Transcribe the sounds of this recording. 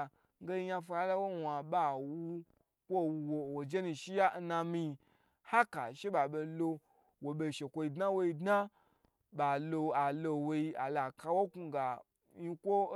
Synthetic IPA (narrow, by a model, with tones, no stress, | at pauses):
ŋ˦ɡe˦i˧˦ɲa˧fo˧a˦la˦wo˦wa˨ɓa˨wu˦ | kʷo˦wu˧wo˨wo˨d͡ʒe˦nũ˧ʃi˦ja˦n̩˦na˧mĩ˧ | ha˦ka̰˨ʃe˦ɓa˨be˧lo˧ | wo˨be˧˨ʃe˨kʷo˧i˧dna˦wo˧i˧dna˦ | ba˨lo˧a˨lo˧wo˧ji˧a˨la˨ka˧wo˦ku˧ɡa˨ | ji˦kʷo˦